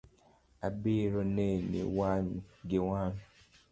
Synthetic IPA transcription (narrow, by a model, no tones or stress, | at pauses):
abiɾɔnenḭwaɲɡewaːn